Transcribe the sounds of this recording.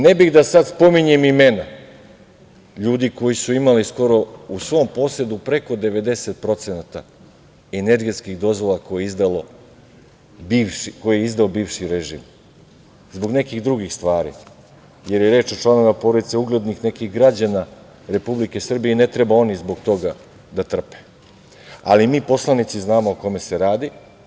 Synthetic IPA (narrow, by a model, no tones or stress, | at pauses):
nebiɣd̪asad̪spo̞miɲemime̞na | ʎuːd̪iko̞jisuimalisko̞ɾo̞usʋo̞mpo̞sed̪upɾe̞ko̞d̪e̞ʋe̞d̪e̞se̞t̪̚pɾo̞t̪senat̪a | ene̞ɾɡe̞t̪skiɣd̪o̞zʋo̞lˠako̞jeizd̪alo | biko̞jejeizd̪aobiːʋʃiɾeʒḭm | zbo̞ɡne̞kiɣd̪ɾuɡixst̪ʋaːɾḭ | je̞ɾjeɾe̞ːt͡ʃo̞t͡ʃlˠano̞ʋimapo̞ɾod̪it̪seuɡle̞d̪nixne̞kiɣɡɾad͡ʑana | ɾe̞publike̞sr̩bijene̞t̪ɾe̞bao̞nizbo̞ɡt̪o̞ɡa | d̪at̪r̩pe̥ | a̰limiːpo̞slˠanit̪siznaːmo̞oko̞me̞se̞ɾaːd̪i